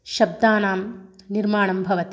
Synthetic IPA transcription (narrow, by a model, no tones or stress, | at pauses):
ʃɐb̚d̪aːnaːmniɾmaːɳɐmbʱɐʋɐt̪i